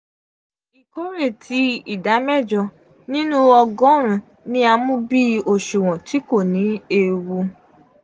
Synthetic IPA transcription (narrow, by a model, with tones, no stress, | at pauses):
i˨ko˦ɾe˦˨tʰi˧˦i˦˨da˨˦mɛ˦˨d͡ʒɔ˧ | nĩ˦nũ˦ɔ˧ɡɔ̃˨˦ɾ̃ũ˧˨ | nĩ˧a˧mũ˦bi˦o˨ʃu˨w̃ɔ̃˨ti˨˦ko˦˨nĩ˨˦e˧wu˧